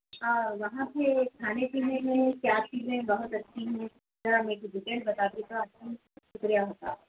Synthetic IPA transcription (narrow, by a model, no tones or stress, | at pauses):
aʋɐɦãpekʰaːnet͡ʃiːzẽmẽkjaːt͡ʃiːzẽbɐɦʊt̪ɐt͡ʃːʰiɦũ | zɐɾameːkbɪʈẽɳbɐt̪aːd̪ik̪aɐtin | ʃʊkɾijaɦoːt̪a̰ː